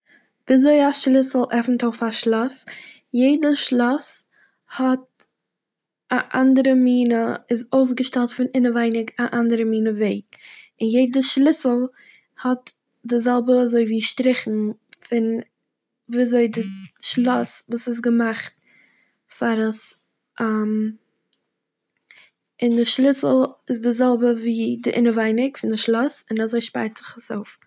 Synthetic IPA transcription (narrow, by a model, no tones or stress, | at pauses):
viːzoɪaʃlˠɪsl̩ˠʔɛfn̩toʊfaʃlˠɔs | jeɪdəʃlˠɔs | hɔt̚ | aʔandəɾəmiːnəɪzoʊs̬ɡəʃtɛlˠtfɪnɪnəvaɪnɪɡaʔandəɾəmiːnəveɪ | ɪnjeɪdəʃlˠɪsl̩ˠ | hɔt | dɪzɛlˠbəazoɪviːʃtɾɪχn̩fɪn | viːazoɪdɪʃlˠɔsvuːsɪs̬ɡəmaχt̚ | faɾəs | ʔam | ɪndɪʃlˠɪsl̩ˠɪs̬dɪzɛlˠbəviːdɪʔɪnəvaɪnɪkfɪndɪʃlˠɔsɪnazoɪʃpa̰ɪɾtz̥ɪχaso̰ʊf